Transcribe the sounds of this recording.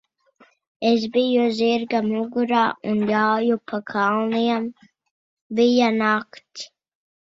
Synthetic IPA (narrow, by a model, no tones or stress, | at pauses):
ezbijuziɾɡamuɡuɾaːunjawjupʰakʰɑlˠniɛm | bijanakt̪s